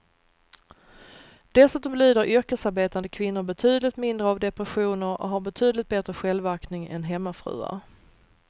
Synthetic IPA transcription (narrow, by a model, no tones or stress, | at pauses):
d̪̥ɛlsʉːt̪ɔmlyːd̪əɾʔʏɾkəsaɾbeːt̪and̪əkʰvɪnːʊɾbɛt̪ʰyːd̪əlɪt̪mɪnd̪ɾəavd̪ɛpɾɛɧuːnəɾɔ̰ɦaɾbɛt̪ʰyːd̪əlɪt̪̚bɛt̪ɾəɧɛlvaɾknɪŋɛ̰nɦɛmːafɾʉ̰ːa̰